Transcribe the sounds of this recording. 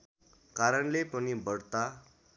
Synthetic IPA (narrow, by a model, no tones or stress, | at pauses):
kaɾəɳlepənibəɽt̪a